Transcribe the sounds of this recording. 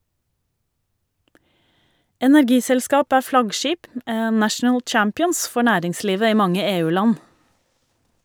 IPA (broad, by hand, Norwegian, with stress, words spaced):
ɛnæɾˈɡiːsɛlˌskɑːp ˈæː ˈflɑɡˌʃiːp m ə ˈnæʃn̩əl ˈt͡ʃæmpɪɔns ˈfɔ ˈɳæːɾɪŋˌsliːʋə ˈiː ˈmɑŋə ˈeːˌʉːˌlɑn